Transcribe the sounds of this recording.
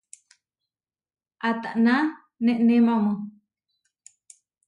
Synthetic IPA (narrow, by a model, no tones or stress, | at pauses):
ʔat̪aʔnã | nẽʔnẽmãmõ